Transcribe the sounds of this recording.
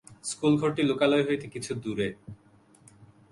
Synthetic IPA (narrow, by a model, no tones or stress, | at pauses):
skulɡʱoɾʈilokaloeɦoet̪ekit͡ɕʰud̪uɾe